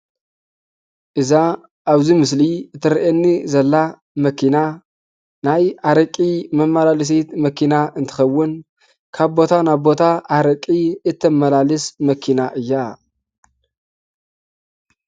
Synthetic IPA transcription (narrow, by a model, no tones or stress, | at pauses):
ʔɨza | ʔaβzimɨs̬liɨt̪ʰːɨɾʔenːizɐlːa | mɐkʰina | najaɾɐkʼimɐmalalɨs̬et̪mɐkʰinaʔɨnt̪ʰɨ̥xɐwːʊn | kʰaβbo̞t̪ʰanaβbo̞t̪ʰaʔaɾɐkʼiɨt̪ʰːɐmːɐlalɨsmɐkʰinaʔɨjːa